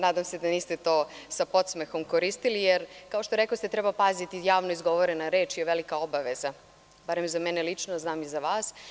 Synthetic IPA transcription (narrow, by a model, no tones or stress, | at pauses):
naːd̪amsed̪aniːst̪et̪o̞ːsapo̞t̪smexo̞mkoɾist̪ilijeɾkaoʃt̪oɾeklost̪et̪ɾebapazit̪ijaːʋnoizɡo̞ʋoɾenaɾe̞ːt͡ʃioʋelikao̞baʋeza | baɾemzamenelit͡ʃnoznaːmizaʋaːs